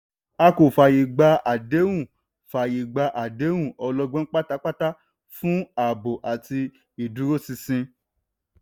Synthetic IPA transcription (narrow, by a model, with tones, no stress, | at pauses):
a˧ko˨fa˨ji˨ɡ͡ba˧a˨de˨˦wũ˦˨ | fa˨ji˨ɡ͡ba˧ʔa˨de˨˦wũ˦˨ɔ˧lɔ˧ɡ͡bɔ̃˦k͡pa˦ta˦k͡pa˦ta˦ | fũ˦a˨bo˨ʔa˨ti˧ | i˨du˨˦ɾo˦si˧sĩ˧